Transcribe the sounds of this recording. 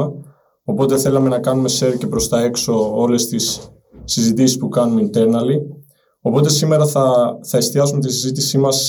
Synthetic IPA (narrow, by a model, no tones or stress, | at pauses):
ɐ | o̞po̞t̪e̞θe̞lɐme̞nɐkɐnume̞se̞ɾce̞pɾo̞st̪ɐe̞kso̞o̞le̞st̪isː | izit̪isispukɐnumint̪e̞ɾnɐli | o̞po̞t̪e̞sime̞ɾɐθɐθɐest̪iɐsumet̪isizit̪isimɐs